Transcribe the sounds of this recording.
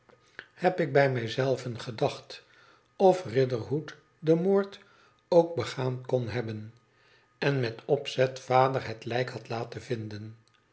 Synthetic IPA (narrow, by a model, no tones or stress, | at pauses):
hɛpɪɡ̚bɛjmɛjzɛlˠvənχədɑχt | ɔfrɪdəɹɦut | dəmoːɹt | owɡ̚bəχaːnkɔnɦɛbən | ɛnmɛtɔpsɛtfaːdəɹɦɛtlɛjkhɑtlaːtəvɪndən